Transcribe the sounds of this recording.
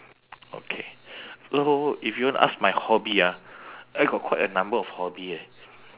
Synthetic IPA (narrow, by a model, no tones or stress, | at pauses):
o̰kʰesoifjudõnʔa̰s̚majhɔbiaajɡɔt̚kʰwaɪtənãmbəɔfhɔbie